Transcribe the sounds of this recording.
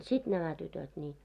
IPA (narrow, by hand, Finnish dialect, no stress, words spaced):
sit næmæ tytøt nʲiː